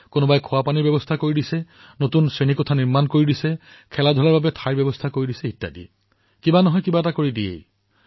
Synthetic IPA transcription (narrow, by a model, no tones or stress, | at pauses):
konobajkʰʊwapaniɹbjɛbɔstʰakoɹidisɛ | notunsɹenikɔtʰaniɹmankoɹidisɛ | kʰɛladʱɔlaɹbabɛtʰajɹbɛbɔstʰakoɹidisɛɦitːa̰dḭ | kibanɔɦɔjkibatakoɹidiḛj